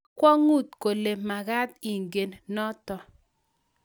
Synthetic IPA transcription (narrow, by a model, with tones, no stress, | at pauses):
kwɔ˦ŋu˦˨t̪̚ko˨le˨ma˨ɣa˦t̪i˨ŋɡe˨nnɔ˦t̪ɔ˨